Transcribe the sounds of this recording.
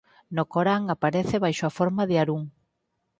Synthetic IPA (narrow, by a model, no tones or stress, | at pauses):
nokoɾaŋapaɾeθɪβajʃoafoɾmaðɪaɾuŋ